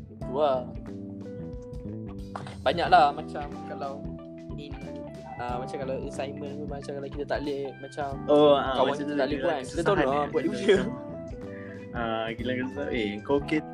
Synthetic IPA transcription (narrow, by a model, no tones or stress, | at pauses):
ut̪ua | baɲãʔlamat͡ʃamkalaw | in | amat͡ʃamkalawəsajmə̃nt̪umat͡ʃamkalawkit̪at̪aʔlemat͡ʃamoãkawãat̪at̪aʔlipuankit̪at̪anɔbuaʔ̚did͡ʒə | aɡilaŋkit̪ət̪a̰ʔeəŋkake